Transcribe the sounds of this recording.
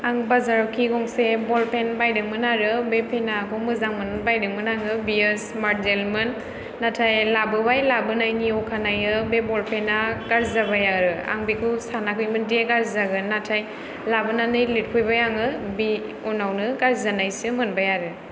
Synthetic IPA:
aŋbazaɾawkʰiɡɔŋsebɔlpʰenbajdɯŋmɯnaɾɯbepʰenakʰɔmɯzaŋmɯnbajdɯŋmɯnaŋɯbiɯsmaɾt̚zelmɯnː | atʰajlabɯbajlabɯnajniɔkʰanajɯbebɔlpʰenaɡaɾzabajaɾɯa̰ŋbikʰusanakʰɯjmɯndeɡaɾzaɡɯnatʰaj | labɯnanɯjlit̚kʰɔjbajaŋɯbi | unawnɯɡaɾzanajsɯmɯnbajaɾɯ

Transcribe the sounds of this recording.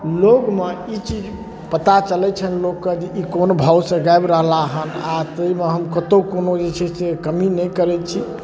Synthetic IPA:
loɡmeit͡ʃid͡ʒ | pət̪at͡ʃəlɛt͡ʃʰənlokːəd͡ʒeʔikonobʱawsəɡaebɾəɦlaɦənat̪əimeɦəmkət̪okonod͡ʒet͡ʃʰisekəminɛjkəɾɛt͡ʃʰi

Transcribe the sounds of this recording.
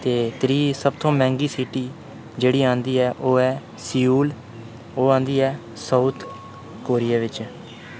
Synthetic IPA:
t̪eːt̪ɾiːsəbt̪ʰõːmɛ̃ːŋɡiːsiʈiː | d͡ʒeːɽiːãːnd̪iːɛːʔoːɛː | sɪjuːl | oːãːnd̪iːɛː | səuːt̪ʰ | koːɾijaːʋɪt͡ʃ

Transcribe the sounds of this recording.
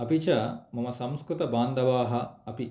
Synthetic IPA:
ɐpit͡ʃɐmɐmɐsɐmskɾut̪ɐbaːnd̪ɐʋaːɦɐɐpi

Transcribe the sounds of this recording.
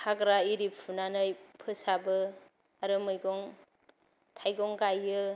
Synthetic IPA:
haɡɾaiɾippʰunanɯjpʰɯsabɯ | aɾɯmɯjɡɔŋ | tʰajɡɔŋɡajːɯ

